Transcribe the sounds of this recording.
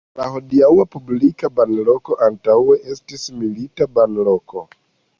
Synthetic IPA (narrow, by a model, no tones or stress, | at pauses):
laho̞diawapublikabanlo̞ko̞ʔantawe̞ʔestismilitabanlo̞ko̞